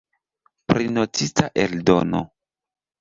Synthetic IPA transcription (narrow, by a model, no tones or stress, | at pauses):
pɾinotitaʔeldo̰no̰